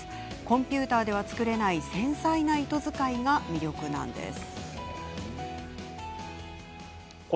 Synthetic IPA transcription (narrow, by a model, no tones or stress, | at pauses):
kõ̞mpʲɨːt̪aːd̪e̞β̞at͡sɨ̥kɯ̟ɾe̞naisẽ̞ɰ̃sainait̪o̞zɨkaiɡamʲiɾʲo̞kɯ̟nã̰nd̪e̞̰sɨ̥ | k